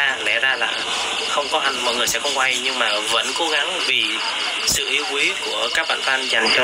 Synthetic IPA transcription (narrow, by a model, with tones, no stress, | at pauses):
aː˧lɛ̰˧˩zaː˧la̰ː˨˩ | xə˧wŋ͡mkɔ˨˦ha˨˩ŋ̟mɔ̰˧˨jŋɨ˨˩əjsɛ̰˧˥xə˧wŋ͡mkwa˧jɲɨ˧ŋmaː˨˩və̰˧˥nko˨˦ɣa˨˦ŋvi˨˩ | sɨ̰˧˨ʔi˨˦əwkwi˨˦ku˧˩əkaː˦˥k̚ɓa̰ː˧˨nt̪aː˧nza˨˩jŋ̟t͡ɕɔ˧